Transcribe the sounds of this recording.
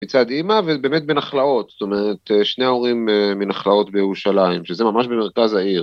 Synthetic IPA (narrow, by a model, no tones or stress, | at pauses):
mit͡sad̪imavebeːmet̪̚benaχlao̞t̪st̪o̞meʁet̪ʃne̞o̞ʁimminaχlao̞tbejeʁuʃalaimʃezemamaʃbemeʁkazaiʁ